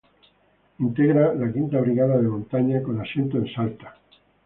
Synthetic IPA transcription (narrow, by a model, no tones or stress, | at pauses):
int̪eɣɾalakint̪aβ̞ɾiɣaðaðemõnt̪aɲakonasjent̪oensalt̪ḁ